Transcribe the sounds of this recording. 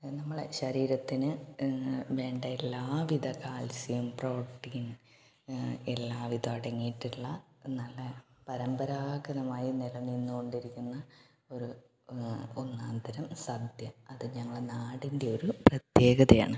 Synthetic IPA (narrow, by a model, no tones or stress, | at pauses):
nɐmːɐɭḛɕɐɾiːɾɐt̪ːinɨ | ʋe̞ːɳɖɐelːaːʋid̪ʱɐkaːlsjɐjumproːʈːiːn | elːaːʋid̪ɐmɐɽɐŋːijʈːiɭːɐnɐlːɐpɐɾɐmbɐɾaːɡɐðɐmaːjinilɐnːinːuko̞ɳɖiɾikʲːunːɐ | o̞ɾu | onːaːnd̪ʱɐɾɐmsɐd̪ʱjɐɐðɨɲɐŋːɐɭenaːɽinde̞o̞ɾuprɐt̪je̞ːɡɐðɐja̰ːɳɨ